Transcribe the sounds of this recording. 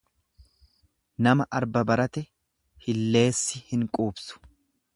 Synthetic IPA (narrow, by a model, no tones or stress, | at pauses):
nɐmɐʔɐɾbɐbɐɾɐt̪ɛ | hɪlːe̞ːsːɪhɪŋkʼuːbsʊ̥